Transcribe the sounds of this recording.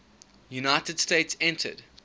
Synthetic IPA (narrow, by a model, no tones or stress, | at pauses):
junaɪtədsteɪtsɛ̃ntʰə̰d